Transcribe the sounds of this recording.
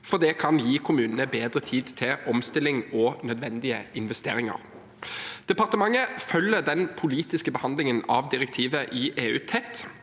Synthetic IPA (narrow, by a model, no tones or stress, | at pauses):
fɔʁd̪ɛkʰɑnjiːkʰʊmʉːnənəbeːd̪ʁət̪ʰiːd̪t̪ʰɪɔmst̪ɪlɪŋɔːnœd̪ʋɛnd̪ɪəɪnʋɛst̪ḛːɾɪŋɑ̰ʁ | d̪̥ɛpɑʁt̪əmɑŋəfœlːəd̪ɛnpʰʊliːt̪ɪskəbəhɑnd̪lɪŋənɑ̰ʋd̪ɪʁɛkt̪ʰiːʋəʔiːʔeːʉːt̪ʰɛt̪ː